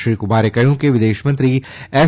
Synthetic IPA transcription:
ɾiːkʊmaːɾekɐjũkeʋɪd̪eːʃmɐ̃nt̪ɾi | ɛː

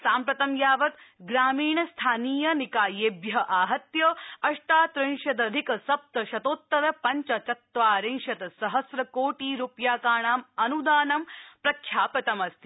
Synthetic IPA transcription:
saːmpɾɐt̪ɐmjaːʋɐt̪ɡɾaːmiːɳɐst̪ʰaːniːjɐnikaːjeːbjɐʔaːɦɐt̪jɐɐʂʈaːt̪ɾɐŋʃɐd̪ɐd̪ʱikɐsɐp̚t̪ɐʃɐt̪oːt̪ːɐɾɐpɐɲt͡ʃɐt͡ʃɐt̪ʋaːɾeŋʂɐt̪ɐsɐɦɐsɾɐkoːʈiːɾupjaːkaːɳaːmɐnud̪aːnɐmpɾɐkʰːjaːpɾɐt̪ɐmɐst̪ʰi̥

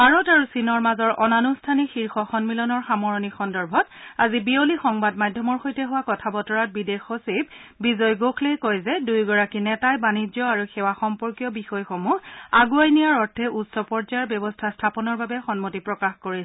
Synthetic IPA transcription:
baɹɔtaɹusinɔɹmazɔɹʔɔnanustʰanixiɹxɔxɔnmilɔnɔɹxamɔɹɔnixɔndɔɹbʱɔtazibiolixɔŋbadmajdʱːɔmɔɹxojtɛɦuwakɔtʰabɔtɔɹat̚bidexosib̚bizɔjɡoxʰlejkojzɛdujɡɔɹakinɛtajbanid͡ʒjɔaɹuxɛwaxɔmpɔɹkijɔbixɔjxomuaɡuajnijaɹɔɹtʰːɛutsɔpɔɹzajɔɹbjɔbɔstʰastʰapɔnɔɹbabɛxɔnmotipɹɔkaxkoɹil

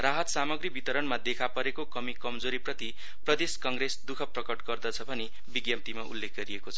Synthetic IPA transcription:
raɦʌt̪samʌɡribit̪ʌɾʌnmad̪ekʰapʌɾekokʌmikʌmd͡zoɾiprʌt̪i | prʌd̪eskʌŋresd̪ukʰʌprʌkʌʈɡʌrd̪ʌt͡sʰʌbʱʌne | biɡjʌp̚t̪imaʔṵlːekʰɡʌɾiekot͡sʰʌ

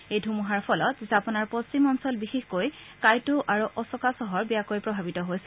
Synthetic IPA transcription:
ejdʱumuɦaɹpʰɔlɔtzapɔnaɹpost͡ʃimɔnsɔlbixixkoj | kajtʊʔaɹuʔɔsɔkasɔɦɔɹbijakojpɹɔbʱabitɔɦojsɛ

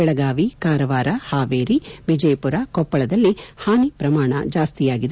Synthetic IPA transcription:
ɛɭɐɡaːʋikaːɾɐʋaːɾɐhaːʋeːɾiʋid͡ʒɐjpuɾakɔpːɐɭɐd̪ɐlːihaːnipɾɐmaːɳɐ̰d͡ʒaːst̪ijaːɡid̪e

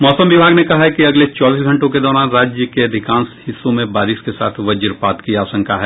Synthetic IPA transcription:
mɔːsəmʋɪbʱaːɡnekɐɦaɦɛkiɐɡlet͡ʃaːbiːsɡʱɐ̃ɳʈõked̪ɔːɾaːnɾaːd͡ʒjəkeɐd̪ʱɪkãːnshɪsːõmẽbaːɾɪʃkesa̰ːt̪ʰʋɐd͡ʒəɾpaːt̪kiaːsə̃ŋkʰaɦɛː

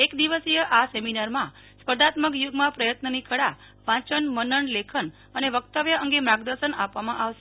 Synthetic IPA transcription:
ekd̪iʋəsijəʔaseminaɾmã | spəd̪at̪məkjuɡmãpɾəjət̪nənikʰəɽa | ʋãt͡ʃənmənəɳlekʰən | əneʋəkt̪əʋjəə̃ŋɡemɾãɡd̪əɾʃənapʋamãʔaʋʃe

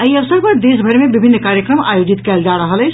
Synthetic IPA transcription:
əiəʋsəɾpəɾd̪esbʱəɾmẽbibʱinːkaɾjəkɾəma̰jod͡ʒit̪kɛld͡ʒaɾəɦəlɛ

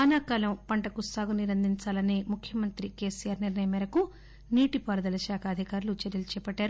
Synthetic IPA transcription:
ɐnaːkaːlɐmpɐɳʈɐkusaːɡuniɾɐnd̪ʱiɲt͡ʃaːlɐneːmukʰjɐmɐnt̪ɾike̞ːsijaːɾniɾɳɐjɐmɛːɾɐku | niːʈipaːɾɐd̪ɐlɐʃaːkʰɐːd̪ʱikaːɾulut͡ʃɛɾjɐlut͡ʃɛːpɐʈːaːɾu

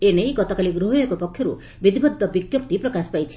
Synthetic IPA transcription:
enejɡɔt̪ɔkaliɡɾuɦɔjɔkupɔkʰːjɔɾṵ | bid̪ibɔd̪ʱːɔbikjɔpt̪ipɾɔkaspajt͡ʃʰi̥

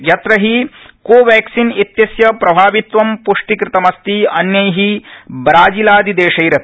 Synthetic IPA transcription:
jɐt̪ɾɐɦikoːʋæːksinit̪jɐsjɐpɾɐbʱaːʋit̪ʋɐmpuʂʈikɾɪt̪ɐmɐst̪iɐnjɐjɦibɾaːd͡ʒilaːd̪id̪eːʂɐjɾɐt̪

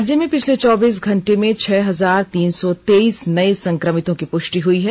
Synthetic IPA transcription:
d͡ʒjəmẽpɪt͡ʃʰlet͡ʃɔːbiːs̬ɡʱɐ̃ɳʈemẽt͡ʃʰɛːɦɐzaːɾt̪iːnsɔt̪eːiːsnɐisɐ̃ŋkɾəmɪt̪õkipʊʃʈiɦʊiɦɛ

